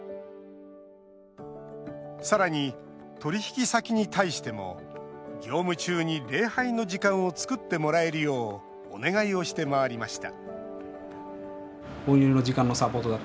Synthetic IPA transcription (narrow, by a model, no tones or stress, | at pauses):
saɾaɲ̟it̪o̞ɾʲiçi̥kʲisakʲiɲ̟it̪aiɕi̥t̪e̞mo̞̰ɡʲo̞ːmɯ̟t͡ɕɨːɲ̟iɾe̞ːhaino̞d͡ʑikãɰ̃o̞t͡sɨ̥kɯ̟t̪ːe̞mo̞ɾae̞ɾɯjo̞̰ː | ne̞ɡaio̞ɕi̥t̪e̞maaɾʲimaɕi̥t̪a̰ | õjoɾino̞d͡ʑikãno̞sapo̞ːt̪od̪a